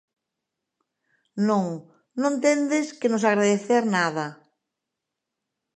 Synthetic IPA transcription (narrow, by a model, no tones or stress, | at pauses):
nõŋ | nõnt̪end̪eskɪnosaɣɾaðeθeɾnað̞ɐ